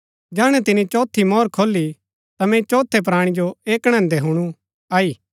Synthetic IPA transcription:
d͡ʒɛːɽ̃ɛ̃t̪ɪnit͡ʃɔːt̪ʰːimɔːɾkʰoːlːi | t̪amɛ̃t͡ʃɔːt̪ʰːɛp̬ɾaːɽ̃id͡ʒoeːkɽ̃ɐ̃nd̪eɦuɽ̃u | aːiː

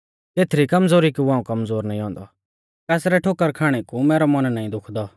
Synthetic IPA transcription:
t̪eːt̪ʰɾikɐmzoːɾikuaːũkɐmzoːɾnaːĩɦɔ̃ːnd̪ɔ̰ | k̪ɛːsɾɛʈʰoːkːəɾkʰaːɽ̃ekumɛːɾɔmɐnnaːĩd̪ʊkʰd̪ɔ

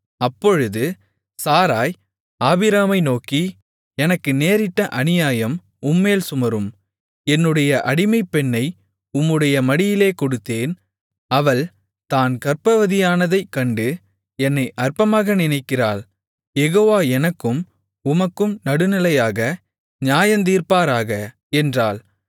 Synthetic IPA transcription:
ɐpːɔɻɯðɯ | saːɾaːj | aːbɪɾaːmɐɪnoːki | ɛnɐkːɯneːɾɪʈːɐʔɐnɪjaːjɐm | ʊmːeːlsʊmɐɾɯm | ɛnːɯɽɐjɐʔɐɽɪmɐɪpːɛnːɐɪ | ʊmːɯɽɐjɐmɐɽɪjɪleːkɔɽɯt̪ːeːn | ɐʋɐɭ | t̪aːnkɐrpɐʋɐðɪjaːnɐðɐɪkːɐɳɖɯ | ɛnːɐɪʔɐrpɐmaːɣɐnɪnɐɪkːɪraːl | jɛɣoːʋaːɛnɐkːɯm | ʊmɐkːɯmnɐɽɯnɪlɐjaːɣɐ | ɲaːjɐnt̪̬iːrpaːɾaːɣɐ | ɛndraːl

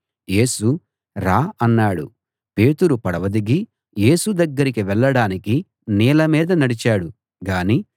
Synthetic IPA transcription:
je̞ːsu | ɾaːɐnːaːɽṵ | pe̞ːt̪uɾupɐɽɐʋɐd̪iɡi | je̞ːsud̪ɐɡːɐɾikiʋɛɭːɐɽaːniki | niːlɐmiːd̪ɐnɐɽit͡ʃaːɽu | ɡaːniː

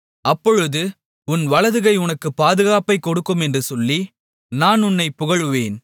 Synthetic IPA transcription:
ʔɐpːɔɻɯðɯ | ʊnʋɐɭɐðɯɣɐɪʊnɐkːɯpːaːðɯɣaːpɐɪkːɔɽɯkːɯmɛndrɯsɔlːi | naːnʊnːɐɪpːʊɣɐɻɯʋeːn

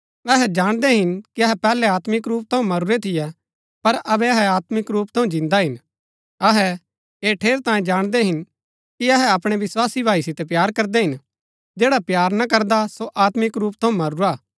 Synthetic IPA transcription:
ɛɦɛd͡ʒaːɽ̃d̪ɛɦɪnkiɐɦɛpɛːlɛaːt̪mɪkɾuːp̚t̪ʰɐ̃ũmɐɾʊɾet̪ʰɪjɛ | pɐɾɐbɛɐɦɛaːt̪mɪkɾuːpt̪ʰɐ̃ũd͡ʒɪ̃nd̪aɦɪn | ɐɦɛ | eːʈʰeːɾt̪ãːjẽd͡ʒaːɽ̃d̪ɛɦɪn | kiɐɦɛɐpɽ̃eʋɪswaːsibʱaːisɪt̪ɛp̬jaːɾkɐɾd̪ɛɦɪn | d͡ʒeːɽapjaːɾnɐk̬ɐɾd̪asoʔaːt̪mɪkɾuːpt̪ʰɐ̃ũmɐɾʊɾaː

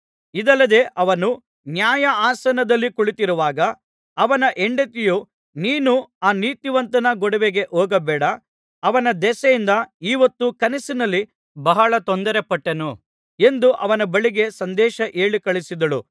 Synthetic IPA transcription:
id̪ɐlːɐd̪e̞ːʔɐʋɐnu | njaːjɐaːsɐnɐd̪ɐlːikuɭit̪iɾuʋaːɡɐː | ʋɐnɐʔeɳɖet̪iju | niːnuaːniːt̪iʋɐnt̪ɐnɐɡɔɽɐʋeɡe̞ʔɔːɡɐbɛːɽɐː | ʋɐnɐd̪ɛsɐjind̪ɐiːʋɐt̪ːukɐnisinɐlːi | bɐɦɐɭɐt̪ond̪ɐɾepɐʈːɐnu | e̞nd̪uʔɐʋɐnɐbɐɭiɡe̞sɐnd̪ɛːʃɐʔeːɭikɐɭisid̪ɐɭu

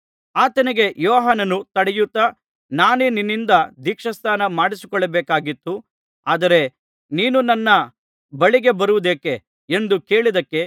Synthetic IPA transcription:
aːt̪ɐniɡe̞jɔːɦaːnɐnut̪ɐɽɛjut̪ːɐ | naːneːninːind̪ɐd̪iːkʂɐst̪ʰaːnɐmaːɽisi̥kɔɭːɐbeːkaːɡit̪ːu | aːd̪ɐɾe̞ | niːnunɐnːɐ | bɐɭiɡe̞bɐɾuʋud̪eːke | end̪uke̞ːɭid̪ɐkːe̞

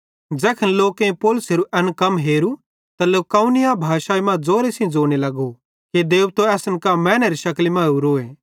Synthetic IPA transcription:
d͡zɛːkʰənloːkẽpoːlʊseɾuʔɐnkɐmɦeːɾu | t̪ɐlekaũnɪjabʱaːʃaːimãd͡zoːɾesĩd͡zoːñelɐɡo | ked̪eːubt̪oɛːsənkamɛ̃ːneɾiʃɐklimãuɾoːeː

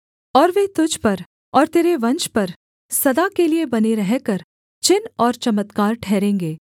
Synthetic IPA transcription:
ɔːɾʋeːt̪ʊd͡ʒʱpɐɾ | ɔːɾt̪eːɾeʋɐ̃nt͡ʃpɐɾ | sɐd̪akeliebɐneɾɛɦkɐɾ | t͡ʃɪnɔːɾt͡ʃɐmət̪kaːɾʈʰɛːɾẽːŋɡeː

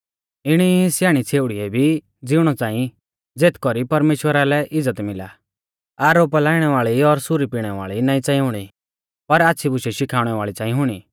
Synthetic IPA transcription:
ɪɽ̃isjaːɽ̃it͡sʰeːʊɽiɛbʱi | d͡zɪɽ̃ɔt͡sãːĩ | d͡zeːt̪ʰkɔɾipɐɾmeːʃwəɾalɛʔɪd͡zət̪mɪla̰ | aːɾoːplaːɪɽ̃ɛʋaːɭiɔɾsʊɾipiːɽ̃ɛʋa̰ːɭinaːĩt͡sãːĩɦʊɽ̃i | pɐɾaːtːsʰibʊʃɛʃɪkʰaːʊɽ̃ɛʋaːɭit͡sãːĩɦʊɽ̃iː

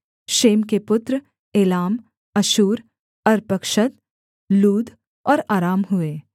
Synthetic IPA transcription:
ʃeːmkepʊt̪ɾ | eːlaːm | ɐʃuːɾ | ɐɾpɐkʃət̪ | luːd̪ʱ | ɔːɾaːɾaːmɦʊeː

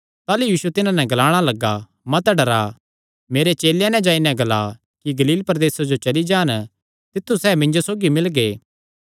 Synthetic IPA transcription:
t̪aːlujiːsuɛt̪ɪnãnɛ̃ɡɐlaːɽ̃alɐɡa | mɐt̪ɖɐɾa | meːɾet͡ʃeːljãnɛ̃d͡ʒaːinɛ̃ɡɐla | kiɡɐliːlpɐɾd̪eːsad͡ʒot͡ʃɐlid͡ʒaːn | t̪ɪt̪ʰːusɛːmɪ̃ɲd͡ʒosoːɡimɪlɡeː

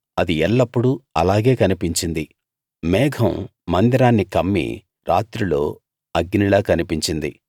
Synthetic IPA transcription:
ɐd̪iɛɭːɐpːuɽuɐ̰laːɡe̞ːkɐnipiɲt͡ʃind̪i | mɛːɡʱʰɐmmɐnd̪iɾaːnːikɐmːḭ | ɾaːt̪ɾulo̞ː | ɐɡnilaːkɐnipiɲt͡ʃind̪i

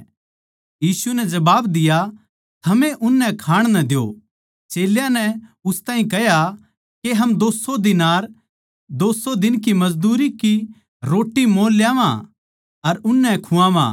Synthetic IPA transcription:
jiːsunɛd͡ʒɐbaːbd̪ɪja | t̪ʰɐmẽʔʊnːɛkʰaːɽ̃nɐ̃d̪jo̰ | t͡ʃeːljãnɛʊst̪aːɦĩkɛja | keɦɐmd̪oːsod̪ɪnaːɾ | d̪oːsod̪ɪnkimɐzd̪uːɾiki | ɾoːʈːimoːljaːʋã̰ | ɐɾʊnːɛkʰʊãːʋã̰ː

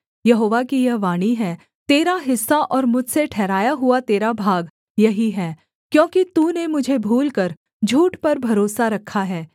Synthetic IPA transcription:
jɐɦoːʋakijɐɦʋaːɽ̃iɦɛː | t̪eːɾaɦɪsːaʔɔːɾmʊd͡ʒʱseʈʰɛːɾaːjaɦʊat̪eːɾabʱaːɡ | jɐɦiɦɛː | kjõːkit̪uːnemʊd͡ʒʱebʱuːlkɐɾ | d͡ʒʱuːʈpɐɾbʱɐɾoːsaɾɐkʰːaɦɛː

